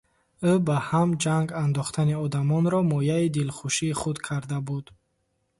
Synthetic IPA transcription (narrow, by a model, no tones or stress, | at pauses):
ubahamd͡ʒaŋɡand̪ɔχt̪ʰaniɔd̪amɔnɾɔmɔjaid̪ilχuʃiːχud̪kʰaɾd̪abud̪̥